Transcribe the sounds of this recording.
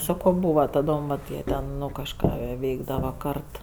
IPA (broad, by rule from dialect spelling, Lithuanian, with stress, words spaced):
ˈsɑːkoː ˈbuːʋɐ tɐˈdoːm ʋɐt ˈjiɛ tʲɛn ˈnʊ kɐʃˈkɑː ˈʋʲɛɪɡdɐʋɐ ˈkɐrt